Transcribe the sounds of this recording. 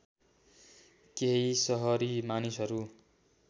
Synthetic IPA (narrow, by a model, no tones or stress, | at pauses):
keɦisʌɦʌɾimanisɦʌɾu